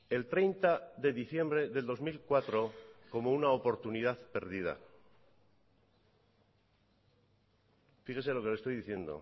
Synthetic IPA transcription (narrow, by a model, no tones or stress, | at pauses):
e̞lt̪ɾe̞jnt̪aðe̞ðiθje̞mbɾe̞ðe̞ld̪o̞zmilkwat̪ɾo̞ko̞mounaopo̞ɾt̪unið̞aθpe̞ɾðið̞a̰ | fixes̬elo̞kelest̪o̞jðiθje̞nd̪o̰